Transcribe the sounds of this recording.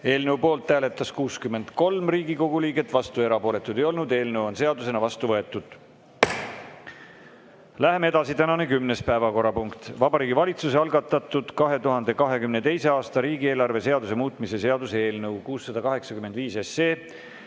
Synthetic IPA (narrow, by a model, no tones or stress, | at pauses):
e̞ːlnewpo̞ːlt̪ːæːlet̪ːˑɑskuːskymːe̞nd̪̥ko̞lmriːɡiko̞ɡ̥uliːɡe̞t̪ːvɑst̪ue̞ɾɑpo̞ːle̞t̪ːˑud̪ejo̞lnud̪e̞ːlnɤwo̞nse̞ɑd̪use̞nɑvɑst̪uvɤe̞t̪ːˑud̪̥ | læɦemee̞d̪ɑsit̪ænɑnekymnespæevɑko̞ɾːɑpuŋkt̪vɑbɑɾiːɡivɑlʲit̪suseɑlɡɑt̪ːˑɑt̪ːˑud̪̥kɑɦe̞t̪uɦɑnd̪e̞kɑɦe̞kymne̞t̪e̞jse̞ɑːst̪ɑɾiːɡieːlɑrve̞se̞ɑd̪us̬e̞muːt̪ˑmise̞se̞ɑd̪useeːlnɤwkuːsːɑd̪̥ɑkɑɦe̞ksɑkyme̞nd̪viːseseː